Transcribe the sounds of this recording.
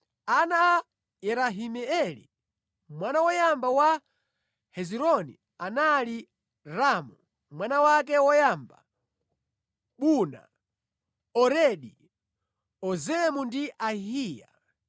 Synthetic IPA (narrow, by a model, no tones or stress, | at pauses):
anaː | jɛɾaɦimɛɛlḭ | mwanawɔjambawa | hɛziɾɔnḭ | anali | ɾaːmu | mwanawak̬ɛwɔjamba̰ | ɓuna̰ | ɔɾɛɗi | ɔzɛmundiʔaɦiːja̰